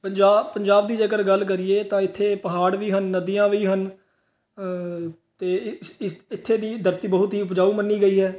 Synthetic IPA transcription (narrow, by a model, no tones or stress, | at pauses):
pəɲd͡ʒaːpəɲd͡ʒaːb̚d̪iːd͡ʒəɡəɾɡəlːk̬əɾɪjeːt̪ãːɪt̪ʰːeːpəɦaːɽʋiːɦənːəd̪ijãːʋiːɦən | t̪eːsɪɪt̪ʰːeːd̪iːd̪əɾt̪iːbəɦʊt̪ɦiːʊpd͡ʒaːuːmənːiːɡəiːɦɛː